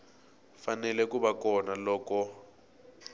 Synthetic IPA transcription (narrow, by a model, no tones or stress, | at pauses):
fanɛlɛkuβakɔnalɔːkɔ